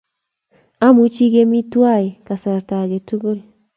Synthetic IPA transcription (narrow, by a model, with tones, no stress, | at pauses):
a˦mu˨t͡ʃi˦ɡe˦mi˦twa˦˨i˨ka˨sa˨ɾta˨ɡe˨tu˦ɡo˦l